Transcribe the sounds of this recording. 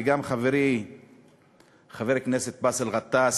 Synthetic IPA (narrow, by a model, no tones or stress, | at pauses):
ɡamχaveɾi | χaveɾkneset̪̚baselʁat̪as